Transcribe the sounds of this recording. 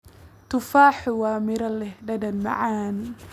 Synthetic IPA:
t̪ʊfaːħʊwaːmɪɾɐlɛhɖɐdɐnma̰ʕaːn

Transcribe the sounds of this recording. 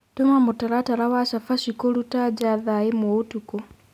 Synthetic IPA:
tomamutaɾataɾawaʃafaʃikolutad͡ʒaðaemotuko

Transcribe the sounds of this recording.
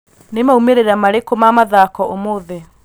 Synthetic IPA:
nemaumeɾeɾamaɾekomamaðakɔomoðe

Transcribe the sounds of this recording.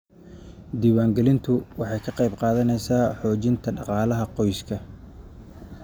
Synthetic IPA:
d̪iːwaːŋɡɛlɪnt̪ʰʊwɑħɑjkʰɐqɑjbqɑːðɐnɛjsaːħɔːt͡ʃɪnt̪ʰɐɖɑqɑːlɐɦɐqɔjskʰɐ

